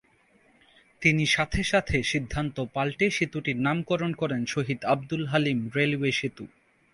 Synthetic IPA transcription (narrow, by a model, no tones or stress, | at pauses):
t̪iniʃat̪ʰeʃat̪ʰeʃid̪ʱːant̪opalʈeʃit̪uʈiɾnamkɔɾonkɔɾenʃoɦid̪abd̪ulɦalimɾelweʃit̪u